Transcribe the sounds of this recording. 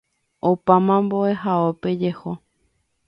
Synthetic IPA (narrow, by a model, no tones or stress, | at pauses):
opamãmboe̞ɦaope̞d͡ʒe̞ho